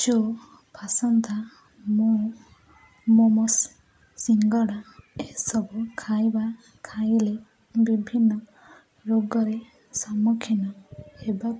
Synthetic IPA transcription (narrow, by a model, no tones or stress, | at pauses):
t͡ʃɔ | pʰasɔnt̪a | mu | mɔmɔsː | iŋɡɔɽaesɔbukʰajba | kʰajle | bibʱinːɔ | ɾoɡɔɾe | samukʰinaeba